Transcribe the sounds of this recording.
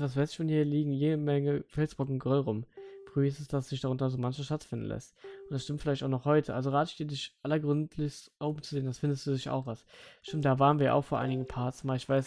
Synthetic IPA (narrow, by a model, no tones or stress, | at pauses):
vas̬v̥aɪsɪçfɔnhiːɐliːɡŋ̩jeːdəmɛŋəfɛlsb̥ʁɔkŋ̩ɡʁʏlʁʊmfʁ̥yːɪstəsd̥asz̥ɪçd̥aʁʊntɐzoːmançmaʃtatfɪndn̩lʔɛ̰stʔʊntd̥asʃtɪmtfɪlaɪçtaʊxnɔχhɔʏtʰəʔalzoʁaːtɪçd̥iːɐdɪçʔalɐɡʁʏntʰlɪçstʔoʊbmt͡suzeːəndasfɪndəstd̥uːdɪça̰ʊxvasʃtɪmtd̥aːvaːʁənviːɐɐʔa̰ʊxfoːɐʔaɪnɪɡŋ̩pʰaɐsmaːlɪçv̥aɪs